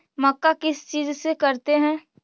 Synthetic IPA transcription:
mɐkːakɪst͡ʃiːzsekɐɾt̪eɦɛ̃ː

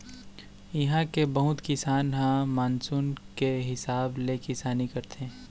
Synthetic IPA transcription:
ɪɦãkebɐɦʊt̪kɪsaːnɦãmaːnsuːnkeɦɪsaːblekɪsaːnikɐɾt̪eɛ̃

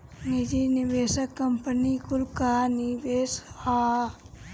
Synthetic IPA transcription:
nid͡ʒiniʋeːsəkːɐmpənikulkanibeːsa

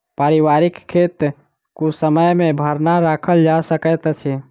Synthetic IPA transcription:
paɾiʋaɾikkʰːet̪ | kusəməjmebʱəɾnaɾakʰəld͡ʒasəkət̪t͡ʃʰɛ

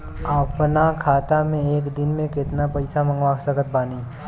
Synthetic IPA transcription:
apnakʰaːt̪amẽeːkd̪ɪnmẽkɪt̪napɐɪsamə̃ŋɡʋaːksəɡət̪̚baːniː

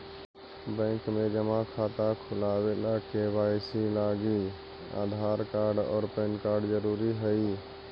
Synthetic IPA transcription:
bə̃kmed͡ʒəmãkʰat̪akʰulabelakebajsilaɡi | a̰d̪ʱaɾkaɾɖɔ̰ːɾpənkaɾɖd͡ʒəɾuɾiɦəj

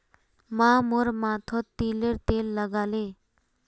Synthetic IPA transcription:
mamoɾmat̪ʰɔt̪ːileɾt̪elːəɡale

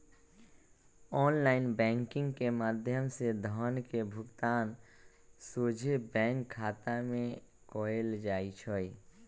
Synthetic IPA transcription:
ɔːnlaːɪnbɛ̃ːŋkɪ̃ŋɡkemaːd̪ʱjəmsed̪ʱɔːnkebʱʊɡt̪aːn | soːd͡ʒʱebɛ̃ːŋkʰːaːt̪amẽ | kɔːeld͡ʒaːit͡ʃʰɔːi

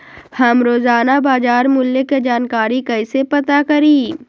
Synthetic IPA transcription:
hɐmɾoːzaːnabaːd͡ʒaːɾmʊlːjeked͡ʒaːnkaːɾikɐɪsepɐt̪akɐɾiː

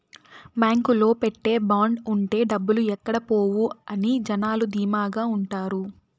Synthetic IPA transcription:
baːŋkulo̞ːpeʈːe̞ːbaːɳɖuɳʈe̞ːɖɐbːuluɛkːɐɽɐpo̞ːwuɐnid͡ʒɐnaːlud̪iːmaːɡaːuɳʈaːɾu

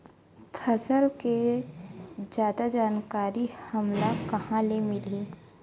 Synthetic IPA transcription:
pʰɐsəlke | d͡ʒjaːd̪ad͡ʒaːnkaːɾihɐmlakɐhãlemɪleː

